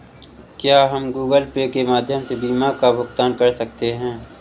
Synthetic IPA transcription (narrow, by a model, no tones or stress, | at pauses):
kjaːɦɐmɡuːɡəlpekemaːd̪ʱjəmsebiːmakabʊkt̪aːnkɐɾsɐk̚t̪eɦɛ̃ː